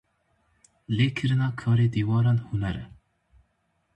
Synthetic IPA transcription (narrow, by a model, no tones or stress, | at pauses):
leːkʰɨɾɨnakʰɑːɾed̪iːwɑːɾanhunæɾɨ̰